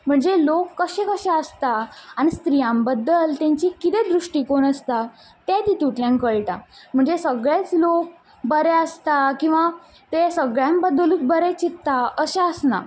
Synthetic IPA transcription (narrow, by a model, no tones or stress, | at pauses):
m̤əɳd͡zelokːəɕekəɕaəst̪aanist̪ɾijãmbəd̪ːəlt̪jãɲt͡ɕikit̪ed̪ɾuʂʈiːkonəst̪a | t̪et̪it̪uʈljãŋkəɭʈa̰m̤əɳd͡zesəɡɭet͡slok̚ | bəɾeəst̪akĩw̃ʋa | t̪esəɡɭjãmbəd̪ːəlũːt͡sbəɾet͡ɕit̪ːaəɕaəsna̰